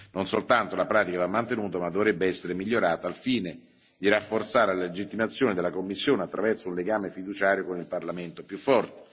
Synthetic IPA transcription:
nonsolt̪ant̪olapɾaːt̪ikavamːant̪enuːt̪amad̪ːovɾɛbːeɛsːeɾemiʎːoɾaːt̪aːlfiːne | d̪irafːort̪saːɾelallled͡ʒit̪ːimat̪sːjoːned̪elːakomːisːjoːneat̪ːɾʔavɛrsounleɡaːmefid̪ut͡ʃaːɾjokonilparlament̪opjufːɔrt̪e̥

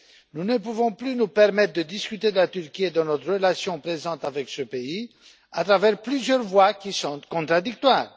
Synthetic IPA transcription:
nunəpuvɔ̃plynupɛʁmɛt̪χd̪əd̪iskʲyt̪ed̪əlat̪yʁkʲied̪ɑ̃nɔt̪χʁəlasjɔ̃pχezɑ̃t̪avɛksəpei | at̪χavɛʁplyzjœʁvwakʲisɔ̃t̪kɔ̃t̪χad̪ik̚t̪waːʁ

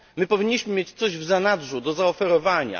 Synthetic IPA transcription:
mɘpɔvʲiɲːiɕmɘmʲjet͡ɕt̪sɔʑvzanad̪ʐud̪ɔzaɔfɛɾɔvaɲa̰

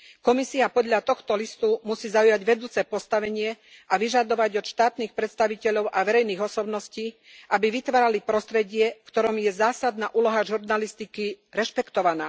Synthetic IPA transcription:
kɔmisiapɔd̪ʎat̪ɔxt̪ɔlist̪umusiːzaujaɟʋɛd̪uːt͡sɛːpɔst̪aʋɛɲɪɛ | ʔaʋiʒad̪ɔʋaɟɔt̪ʃt̪aːt̪niːxpɾɛt̪st̪aʋicɛʎɔʊʔaʋɛɾɛjniːɣɔsɔbnɔsciː | ʔabiʋit̪ʋaːɾalipɾɔst̪ɾɛɟɪɛfkt̪ɔɾɔmjɛzaːsad̪naːʔuːlɔɦaʒuɾnalist̪ikiɾɛʃpɛkt̪ɔʋanaː

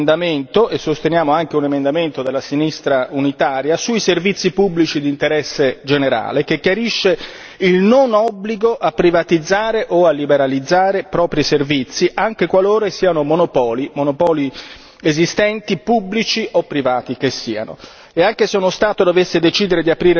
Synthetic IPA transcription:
nd̪ament̪oʔesːost̪enjaːmoaŋk̟eunemend̪ament̪od̪elːasinist̪ɾaunit̪aːɾjasuiservit̪sːipubːlit͡ʃid̪int̪eɾɛsːed͡ʒeneɾa̰ːlek̟ekjaɾiʃːe | ilnonɔbːliɡoʔapːɾivat̪id̪zːaːɾeʔoalːibeɾalid̪zːaːɾepɾɔːpɾiservit̪sːiʔaŋk̟ekwaloːɾesiːanomonopɔːlimonopɔːli | ezist̪ɛnt̪ipubːlit͡ʃiʔopːɾivaːt̪ik̟esːiːa̰no̰ | eaŋk̟eseunost̪aːt̪od̪ovesːed̪et͡ʃiːd̪eɾed̪iapɾiːɾ

